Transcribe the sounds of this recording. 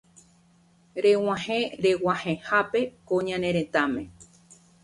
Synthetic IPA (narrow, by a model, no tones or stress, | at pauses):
ɾew̃ãhẽɾewãhẽhape̞kõɲãnẽɾ̃ẽt̪amẽ